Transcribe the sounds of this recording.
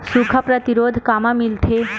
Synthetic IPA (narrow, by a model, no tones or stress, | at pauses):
sukʰapɾət̪iɾod̪ʱkamamilʈ̪ʰe